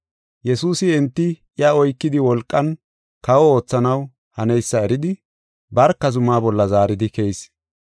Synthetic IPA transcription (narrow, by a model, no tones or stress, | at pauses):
jɛsuːsɪɛnt̪ːɪ | ɪjɐɔjkːɪd̪ɪwɔlkʼːɐn | kɐwɔo̞ːt͡sːɐnɐw | hɐnɛjsːɐɛɾɪd̪ɪ | bɐɾkːɐzʊmːaːbɔlːɐzaːɾɪd̪ɪkɛjs